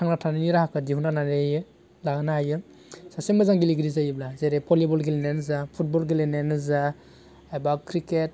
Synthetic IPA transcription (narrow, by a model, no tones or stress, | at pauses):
tʰaŋnatʰaniniɾahakʰɯdiɦunananejɯ | laɡɯnajɯ | sasemazaŋɡiliɡiɾizajiblazeɾepʰɔlibɔlɡilenenzapʰut̚bɔlɡilenenɯza | ebakʰɾiket̚